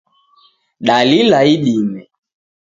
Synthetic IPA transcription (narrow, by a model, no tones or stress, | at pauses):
ɗalilaiɗimɛ